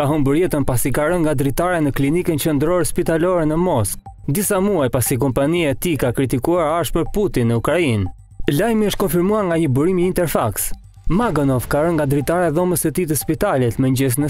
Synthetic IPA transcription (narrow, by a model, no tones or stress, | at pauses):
kaɦɔmbəɾjɛt̪ənpasikaɾəŋŋɡad̪ɾit̪aɾanəklinikənt͡ɕənd̪ɾɔɾɛspit̪alɔɾɛnəmɔsk̚ | d̪isamuajpasik̬ɔmpaniaɛt̪ikakɾit̪ikuaɾaʃpəɾput̪inːəukɾain | lajmiəʃt̪kɔnfiɾmuaɾŋɡaɲəbuɾimiːnt̪ɛɾfaks | maɡɔnɔfkaɾəŋɡad̪ɾit̪aɾaðɔməsət̪it̪əspit̪alɛt̪mɛɲd͡ʑɛsnə